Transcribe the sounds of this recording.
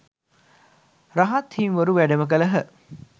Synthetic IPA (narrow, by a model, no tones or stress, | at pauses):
ɾaɦat̪hinʋɐɾuʋæɖəmək̬ələɦə